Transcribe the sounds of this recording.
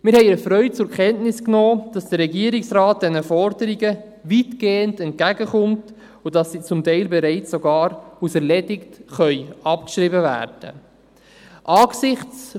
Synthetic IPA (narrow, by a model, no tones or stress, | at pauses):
mɪɾhɛɪəfɾœʏt͡sʊɾkʰɛntnɪsknoːd̥ɑsd̥əɾːɛɡiəɾɪksraːt̚d̥ɛnəfɔɾdəɾiɡə | ʋitɡ̥eːəndɛnt̚kæɡəχʊmt | ʊd̥ɑsːit͡sʊmtɛɪlbɛɾɛɪt͡ssoɡɑːɾusɛɾlɛdɪktχœʏɑpkʃɾibəvæ̰ːɾd̥ə̰ | ʔɑːksɪχt͡s